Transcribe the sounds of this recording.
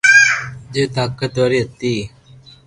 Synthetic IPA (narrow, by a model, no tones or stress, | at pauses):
d͡ʒeːt̪aːkːət̪aːɾiːət̪ːiː